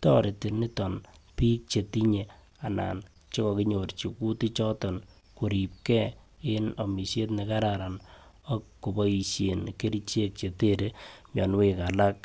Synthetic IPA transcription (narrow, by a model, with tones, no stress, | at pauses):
tɔ˦ɾɪ˨ti˨nɪ˦tɔ˨npiː˦k̚t͡ʃe˨ti˦ɲe˨ | a˨na̰˨n | t͡ʃɪ˦kɔ˨kɪ˦ɲo˨ɾt͡ʃi˨ku˦ti˦t͡ʃɔ˦tɔ˨n | ku˨ɾi˨p̚kɛ˦ | ɪ˦nɔ˨mi˨se˦t̬nɪ˨ka˦ɾaɾa˨n | ɔ˦kkːo˨bɔ˦i˨ʃje˨nke˦ɾi˦t͡ʃe˦k̚t͡ʃe˨te˦ɾe˦mjɔ˨n˦wɪ˦ka˨la˦k̚